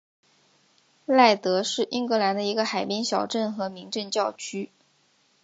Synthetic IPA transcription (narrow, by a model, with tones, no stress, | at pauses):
la˥˩ɪt̪ɤ˧˥ʂɻ̩˥˩ʔi˥ŋkɤ˧˥la˧˥nd̪ə˧i˧˥ɡə˧xa˨˩ɪpi˥ŋɕjɑ˨˩ʊʈ͡ʂə˥˩nxɤ˧˥mi˧˥ŋʈ͡ʂə˥˧nt͡ɕjɑ˥˩ʊt͡ɕʰy˥